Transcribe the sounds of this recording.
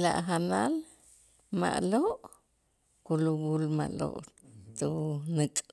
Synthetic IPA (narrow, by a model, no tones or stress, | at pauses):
la̰ʔɦanal | ma̰ʔloʔ | kulubulma̰ʔlo̰ʔt̪unɨkʼ